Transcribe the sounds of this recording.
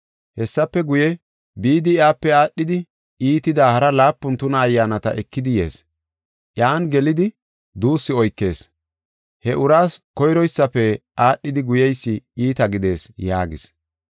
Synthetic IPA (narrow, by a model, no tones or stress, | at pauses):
hɛsːɐpːɛɡʊjɛ | biːd̪ɪjaːpːɛaːɗːɪd̪ɪ | iːt̪ɪd̪aːhɐɾɐlaːpːʊnt̪ʊnɐːjːaːnɐt̪ɐ̰ʔɛkːɪd̪ɪje̞̰ːs | ʔjaːnɡɛlɪd̪ɪ | d̪uːsːɪɔjkːe̞ːs | hɛʔʊɾaːskɔjɾɔjsːɐpːɛʔaːɗːɪd̪ɪɡʊjɛjsːɪiːt̪ɐɡɪd̪e̞ːsjaːɡɪ̰s